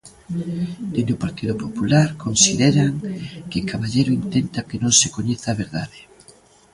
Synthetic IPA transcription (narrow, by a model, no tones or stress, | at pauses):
d̪end̪opaɾt̪iðopopulaɾkonsiðeɾaŋkekaβaʎejɾʊint̪ent̪akenõŋsekoɲeθaːβ̞eɾða̰ðe